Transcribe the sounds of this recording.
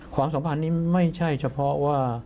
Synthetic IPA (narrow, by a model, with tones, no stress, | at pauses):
kʰwaː˧˥ms̬a˩˦mpʰa˧˦nːiː˦˥ma˥˩jt͡ɕʰa˥˩jt͡ɕʰa˧pʰɔ˦˥waː˥˩